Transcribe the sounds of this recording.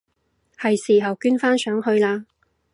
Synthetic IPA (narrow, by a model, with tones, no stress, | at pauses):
hɐ˨jsiː˨˩ɦɐ˨wkyː˥nfaː˥nsœː˨˥ŋhɵ˧ɥlaː˧